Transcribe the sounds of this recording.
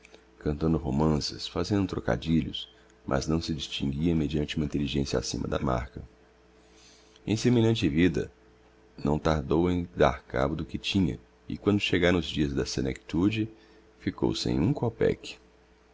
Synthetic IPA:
kɐ̃nt̪ɐ̃nd̪ʊɦomɐ̃sɪsfazẽnd̪ʊt̪ɾoka̰d͡ʒiʎʊs | mʔɐ̰znɐ̃w̃sɪd͡ʒist͡ʃĩŋɡiɐmed͡ʒiɐ̃nt͡ʃɪũmɐĩt̪eliʒẽsjɐa̰sḭ̃mɐ̰d̪ɐ̰ma̰ɾkɐ | ḛ̃j̃semeʎɐ̃nt͡ʃɪvid̪ɐ̰ | nɐ̃w̃t̪aɾd̪owẽj̃d̪a̰ɾka̰bʊd̪ʊkɪt͡ʃĩɲɐ̰ | ɪ̰kwɐ̃nd̪ʊʃeɡaɾɐ̃ʊzd͡ʒiɐzd̪ɐseneki̥t̪ud͡ʒɪ | fiko̰wsḛ̃j̃ũkopɛ̰kɪ̥

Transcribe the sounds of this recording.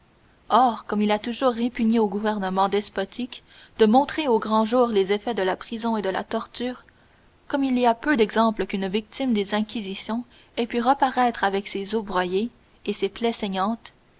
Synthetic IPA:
ɔːʁkɔmilat̪uʒuːʁːepyɲeoɡuvɛʁnəmɑ̃d̪ɛspɔt̪ʰik | d̪̥əmɔ̃t̪χeoɡʁɑ̃ʒuːʁlezefɛd̪əlapχizɔ̃ed̪əla̰t̪ɔʁt̪yːʁ | kɔmiliapød̪ɛɡzɑ̃pləkʲynvik̚t̪imd̪ezɛ̃kʲizisjɔ̃ | ɛpyʁəpaʁɛt̪χavɛksezobʁwaje | eseplɛsɛɲɑ̃ːt̪

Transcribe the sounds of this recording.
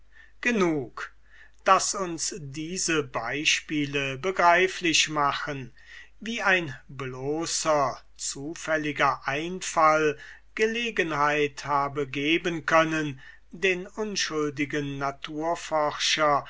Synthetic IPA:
ɡ̥ənuːk | d̥asʊnsdiːzəbaɪʃpiːləbəɡʁaɪflɪɕmaχən | viːaɪnbloːsɐ | t͡suːfɛlɪɡɐʔaɪnfal | ɡ̥əleːɡənhaɪthaːbəɡeːbənkʰœnən | deːnʔʊnʃʊldɪɡənːatʰuːɐfɔʁʃɐ

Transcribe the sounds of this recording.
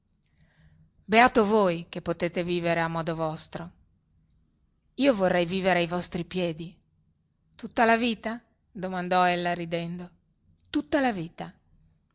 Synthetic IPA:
beaːt̪ovojk̟epːot̪eːt̪eviːveɾeamːɔːd̪ovɔst̪ɾo | iːovorːɛjviːveɾeajvɔst̪ɾipjɛːd̪i | t̪ut̪ːalaviːt̪a | d̪omand̪ɔɛlːaɾid̪ɛnd̪o | t̪ut̪ːalaviːt̪a

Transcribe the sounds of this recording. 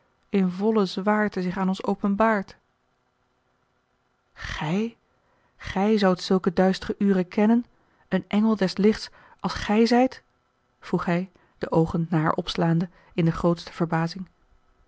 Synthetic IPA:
ɪnvɔləzʋaːɹtəzɪχaːnɔnsowpənbaːɹt | χɛj | χɛjzʌwtsɵlˠkədœɥstərəʔyːrəkɛnən | ənʔɛŋəlˠdɛslɪχts | ʔɑlˠsχɛjzɛjt | v̥ruχɦɛj | d̥əʔowχənːaːɦa̰ɹʔɔpslaːndə | ɪndəχrowtstə̥v̥əɹbaːzɪŋ

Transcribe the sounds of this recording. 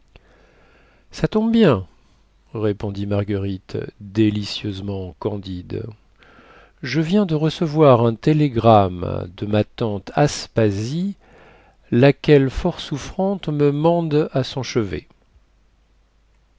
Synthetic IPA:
sat̪ɔ̃b̚bjɛ̃ | ʁepɔ̃d̪imaʁɡəʁit̪d̪elisjøzmɑ̃kɑ̃d̪id̪ | ʒəvjɛ̃d̪əʁəsəvwaʁɛ̃t̪eleɡʁamd̪əmat̪ɑ̃t̪ʰaspazi | lakʲɛlfɔʁsufχɑ̃t̪məmɑ̃d̪asɔ̃ʃəvḛ

